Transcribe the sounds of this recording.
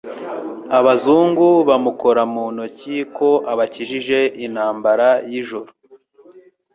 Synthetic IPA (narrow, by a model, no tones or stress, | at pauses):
aβazuːŋɡuβamuko̞ɾamuːnociko̞ʔaβaciʒiʒe̞ʔin̥haːmbaɾajiʒoɾo